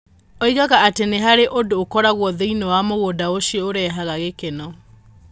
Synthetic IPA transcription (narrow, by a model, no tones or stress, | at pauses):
ɔiɣaɣaːteneɦaɾeʔodoːkɔɾaɣwɔðeinɔwamoɣodaoʃiɔoɾɛɦaɣaɣekenɔ